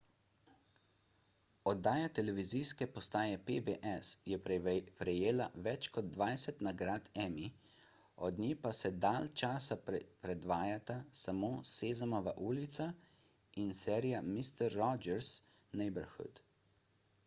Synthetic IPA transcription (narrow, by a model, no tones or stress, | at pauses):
ɔd̪ːaːjat̪ɛlɛʋizijskɛpɔst̪aːjɛpebeʔɛsjɛpɾɛjeːlaʋɛt͡ʃkɔd̪̚d̪ʋaːjsɛt̪naɡɾaːt̪ɛmi | ɔd̪nʲiːpasɛd̪aːlt͡ʃaːsappɾɛd̪ʋaːjat̪asamoːseːzamɔʋaʔuːlit̪sa | insɛːɾijamist̪ɛɾːɔd͡ʒɛɾs | nɛbəɾxṵt̪